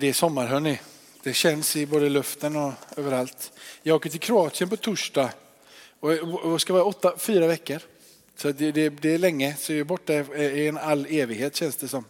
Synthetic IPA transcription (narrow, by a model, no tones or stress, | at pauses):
d̪ɛːʂɔmːaɾɦɵnɪ | d̪̥ɛɕɛnsɪboːd̪əlɵft̪ənɔøːvəɾalt̪jɑːɡoːkːəʈɪlkʰɾʊɑːt̪sɪənpɔt̪ʰʊʂɖɑ | ɔskavɪɑːɾaɔt̪ːafyːɾavɛkːəɾ | sɔat̪d̪ɛd̪ɛːlɛŋːəsɔɛbɔʈːaɪɛnalːeːvɪɡheːt̪ɕɛnsd̪ɛsɔm